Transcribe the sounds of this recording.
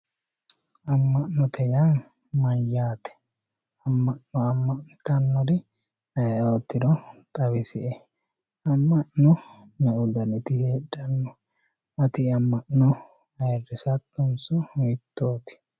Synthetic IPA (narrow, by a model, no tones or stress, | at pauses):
ɐmːɐʔnɔt̪ɛjan | mɐjaːt̪ɛ̥ | ɐmːɐʔnɔɐmːɐʔnɪt̪ɐnːɔɾɪ | ɐjot̪ːɪɾɔt̪ʼɐβɪsɪʔɛ | ɐmːɐʔnɔ | ɲɐʔʊd̪ɐnɪt̪ɪheːᶑɐnːɔ | ɐt̪ɪɐmːɐʔnɔ | ɐjɛrːɪsɐt̪ːʊnsʊmɪt̪ːoːt̪ɪ̥